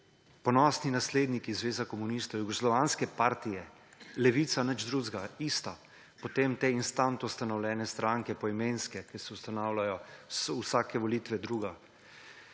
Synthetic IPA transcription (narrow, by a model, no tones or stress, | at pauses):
pɔnɔsninasleːd̪nikizʋeːzakɔmunist̪ɔwjuɡɔslɔʋaːnskɛpaːɾt̪ijɛ | lɛʋit̪sanəd͡ʒd̪ɾuzɡaist̪a | pɔt̪eːmt̪einst̪ant̪ɔwst̪anɔwlʲjɛːnɛst̪ɾaŋkɛpɔimenskɛkisɛwst̪anaːwlʲajɔsusaːkɛʋɔliːt̪ʋɛd̪ɾuːɡa